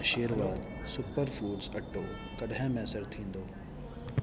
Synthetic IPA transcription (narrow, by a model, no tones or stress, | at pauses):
ʃeːɾʋaːd̪ | sʊpəɾfuːɖzɐʈːoː | kɐɗɛ̃ːmɛːsəɾt̪ʰĩːn̆d̪oː